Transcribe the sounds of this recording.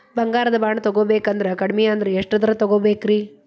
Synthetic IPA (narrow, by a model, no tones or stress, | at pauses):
bɐŋɡaːɾɐd̪ɐbaːɳɐt̪ɐɡoːbeːkɐnd̪ɐɾekɐɽmɛjɐɐnd̪ɐɾeeʂʈɐd̪ɐɾɐt̪ɐɡoːbeːkɾiː